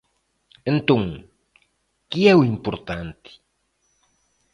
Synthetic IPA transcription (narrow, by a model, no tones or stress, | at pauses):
ent̪õŋ | kiɛwimpoɾt̪ant̪i̥